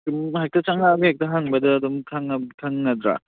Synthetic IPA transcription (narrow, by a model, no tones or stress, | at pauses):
kɯmhajk̚tɐt͡ʃaŋabihak̚tɐɦaŋbɐdɐːdɔmtʰaŋbtʰaŋnɐdɾa̰